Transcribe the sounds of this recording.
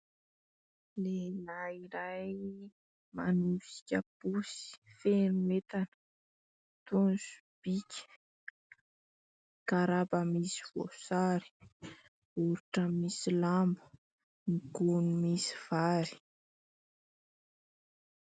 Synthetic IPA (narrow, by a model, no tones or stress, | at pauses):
lelaiɾaj | manusi̥kʲəpusi̥fenumet̪anə | t̪unsu̥b̥ikʲə̥ | kaɾabamisi̥vo̰saɾi̥ | uɾiʈ͡ʂəmmisilambu̥ | niɡunumisi̥v̥aɾi̥